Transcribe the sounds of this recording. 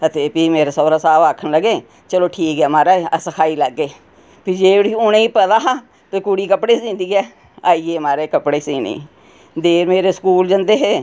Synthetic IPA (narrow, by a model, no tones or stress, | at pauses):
ət̪eːpiːmeːɾaːsəːɾaːsaːbaːkʰːənləɡeː | t͡ʃəloːʈʰiːkɛːmaːɾeːsəkʰaːiːləɡːeː | pʰɪd͡ʒeːɽiːʊnẽːiːpəd̪aːɦaː | t̪ekuɽiːkəpɽeːsĩːnd̪iːɛː | aːiːeːmaːɾeːkəpɽeːsiːnḭː | d̪eːɾmeːɾeːskuːld͡ʒənd̪eːɦeː